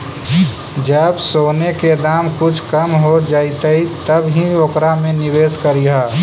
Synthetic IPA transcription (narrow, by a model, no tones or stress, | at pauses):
d͡ʒəbsoːneked̪aːmkʊt͡ʃʰkəmɦod͡ʒaːit̪əɦit̪əbɦĩokɾamẽnɪweːskəɾiɦaː